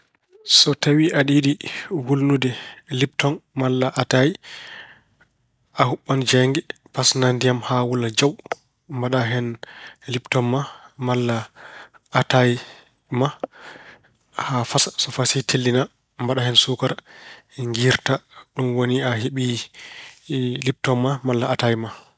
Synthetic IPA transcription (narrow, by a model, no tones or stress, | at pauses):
sɔtawiʔaɗiɗiwulnudɛlip̚tɔnmalːaʔataji | ʔahuɓːand͡ʒɛŋɡɛ | pasnandijamhawulad͡ʒaw | mbaɗaɦɛnliptɔnmamalːaː | taj | ma | hafasḁsɔfasitʰelːina | mbaɗahɛnsukaɾ | ɛŋɡiɾtaɗumwoniaɦeɓi | lip̚tɔmmamalːaatajma